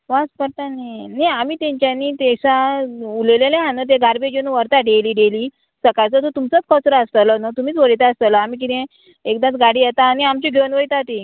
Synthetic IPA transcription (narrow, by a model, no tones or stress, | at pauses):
ʋaspəɾt̪aneniamiːt̪ẽɲt͡ɕjanit̪esaulelelẽɦãnət̪̬eɡaɾbed͡ʑenũʋəɾt̪aɖeliːɖeliː | səkajt͡sət̪ot̪umt͡sət͡skʰət͡sɾəəst̪ələnat̪umiːt͡sʋəɽit̪aəst̪ələamiːk̬it̪ẽ | ekd̪ãt͡sɡaɽijet̪aːniamt͡ɕiɡʱeənʋəɭit̪at̪i